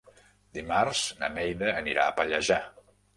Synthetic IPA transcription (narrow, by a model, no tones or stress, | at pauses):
d̪imarz̥nə̰nɛjðəːniɾa̰əpəʎəʒa